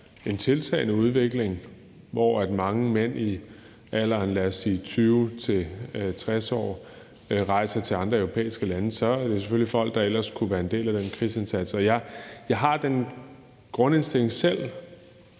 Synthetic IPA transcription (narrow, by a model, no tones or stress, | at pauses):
e̝nt͡sʰe̝lt͡sʰɛ̰ɪnəuð̞ˠʋe̝ɡ̥le̝ŋ | ʋɒæd̥mɑ̈ŋəmen̰i | ælɑnlæɐsiːt͡sʰyːʊt͡sʰe̝t͡sʰʁɛsɒ̰ː | ʁɑ̈ɪ̰sɐt͡sʰe̝ɑ̈nd̥ʁɐœʊʁo̝pʰḛːisɡ̥əlænəsɒ̽æɐɐd̥e̝se̥følifɒ̽l̰ɡ̥̚d̥ɑ̈el̰ɐskʰuʋæːɐe̝nd̥e̝̰ːlæd̥enkʰʁḭːse̝nsæd̥sɒ̽jɑ̈ɪjɑ̈ɪɦɑ̈d̥en | ɡ̥ʁɔ̽ne̝nsd̥e̝l̰e̝ŋsel̰